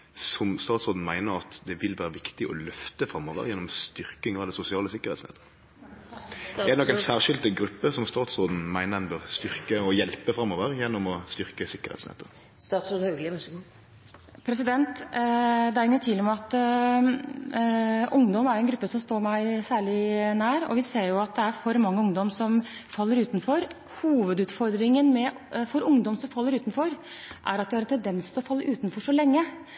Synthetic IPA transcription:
sɔmst̪ɑːt̪sɾoːd̪n̩mæɪnəɾɑt̪d̪ɛʋɪlʋæːɾəʋɪkt̪ɪʔɔ̰lœft̪əfɾɑmːoːʋə̰ʁjɛnːɔmst̪ʏʁkɪŋɑd̪ɛsʊsɪɑːləsɪkːəʁhɛ̰ːtsnɛ̰ːt̪ə | ɛd̪ɛnɔkːɛsæːʁʃɪld̪əɡɾʉpːəsɔmst̪ɑːt̪sʁoːd̪n̩mæɪnəɛnbœʁst̪ʏɾkəɔjɛlpəfɾɑmːoːʋəɾjɛnːɔmɔst̪ʏʁkəsɪkːəʁhɛ̰t̪snɛ̰ːt̪ə | st̪ɑt̪soːd̪ | pʰɾɛsɪd̪ɛnt̪ | d̪ɛæɾɪɡət̪ʰʋiːlmɛɑt̪ | ʔʊŋd̪ɔmæɾɛnɡɾʉpːəsɔmst̪oːɾmæɪsæːɭɪnæːɾɔ̰ʋɪseːɾjʊɑt̪̚d̪ɛæɾfɔɾmɑŋːəʊŋd̪ɔmsɔmfɑlːəɾʉːt̪n̩fɔɾ | huːʋəd̪ʉːt̪fɔɾd̪ɾɪŋənmɛ | fɔɾʊŋd̪ɔmsɔmfɑlːəɾʉːt̪nfɔɾ | ʔæ̰ɾɑt̪̚d̪ɪhɾɛnt̪ʰɛnd̪ɛnst̪ʰɪlɔfɑlːəʔʉːt̪nfɔʂɔlɛŋːə

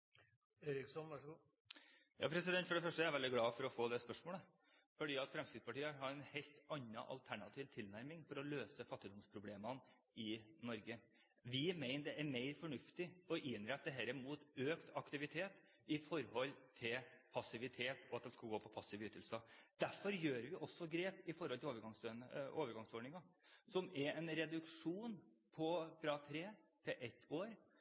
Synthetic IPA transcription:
eɾɪksɔnʋæʂɡuː | jɑ̰ːpʰɾɛsɪd̪ɛnt̪fɔɖɛfœʂʈəjɛɾʋɛld̪ɪɡlɑːfɔɾɔfoːd̪ɛspœʂmoːlə | fɔɖiːɑt̪fɾɛmst̪ɪd̪spʰɑʈiːəɦɑɾɛnhɛɪlt̪ɑnːɑ̰ʔɑ̰lt̪ʰæɳɑt̪ʰiːʋt̪ʰɪlnæɾmɪŋfɔɾɔløːsəfɑt̪ːɪd̪ɔmspʰɾʊbleːmɑn | ɪnɔɾɡə | ʋɪmeɪnəd̪ɛʔæɾmeɪɾfɔɳʉft̪ɪɔʔɪnɾɛt̪̚ːd̪əɦɛɾəmuːt̪øːkt̪ʰɑkt̪ɪʋɪt̪ʰeːt̪ | ɪfɔɾhɔlːt̪ʰɪlpʰɑsɪʋɪt̪ʰeːt̪ʰɔɑt̪d̪ɛnskɑlɡoːpʰɔpʰɑsːɪʋyːt̪ːəlsəd̪̥æɾfɔɾjøːɾʋɪʔɔsːɔɡɾeːpɪfɔɾhɔlɪloːʋəɾɡɑŋsønəoːʋəɾɡɑŋsɔːɖɳɪŋɑsɔmɛɾɛnɾɛd̪ʉkʂuːn | pʰɔfɾɑt̪ʰɾeːt̪ʰɛʔɛt̪ʰːoːɾ

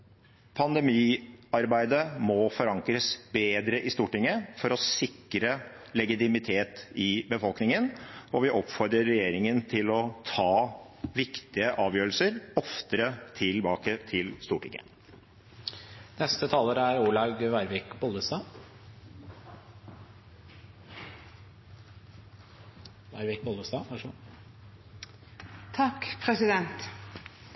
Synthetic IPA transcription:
pʰɑnd̪ɛmiːɑɾbæɪd̪əmɔfɔɾɑŋkɾəsbeːd̪ɾəʔɪst̪uːʈɪŋəfɔɾɔsɪkːɾə | lɛɡɪt̪ɪmɪt̪ʰeːt̪ɪbəfɔlknɪŋənɔʋɪʔɔpfɔɾd̪ɾəɾːɛjeːɾɪŋənt̪ʰɪlɔt̪ʰɑː | ʋɪkt̪ɪəʔɑːʋjøːɾəl̩səɾɔft̪əɾət̪ʰɪlbɑːkət̪ʰɪlst̪uːʈɪkə̰ | nɛst̪ət̪ʰɑːləɾæɾuːɭɑɡʋæɪɾʋɪkbɔlˠəsɑː | ʋæɾʋɪk̚bɔld̪əsd̪ɑːʋɑʂ | t̪ʰɑkpʰɾɛsɪd̪ɛnt̪

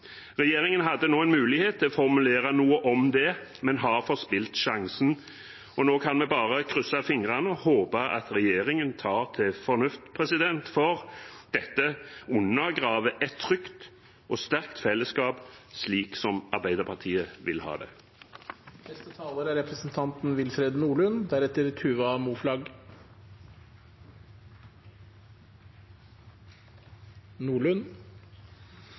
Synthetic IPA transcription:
ʁɛjeːʁɪŋənɦɑd̪ːənoːɛnmʉːlɪheːt̪ʰːɪlɔfɔʁmʉleːʁɑnuːəʔɔmd̪ɛmɛnɦɑʁfɔʁspɪlt̪ʃɑŋsən̩ | ɔnoːkʰɑnmɛbɑːʁəkʰɾʏsɑfɪŋʁɑnəhoːpɑʔɑ̰t̪ʁɛjeːɾɪŋənt̪ʰɑːʁt̪ʰɪfɔɾnʉft̪pʰʁɛsɪd̪ɛnt̪fɔʁd̪̥ɛt̪ːəʊnːəɡʁɑːʋəʔɛt̪ʰːɾʏkt̪ | ʔoːst̪æʁkt̪fɛlːəskɑːbsliːksɔmɑʁbæɪd̪əʁpʰɑʁt̪ʰiːəʋɪlhɑ̰ːd̪ɛ̰ | nɛst̪ət̪ʰɑːləɾæɾɛpɾəsn̩t̪ʰɑnt̪n̩ʋɪlfɾeːd̪nuːɭʉnd̪æɾɛt̪əɾt̪ʰʉːʋɑmuːflɑɡ | nuːɭʉn

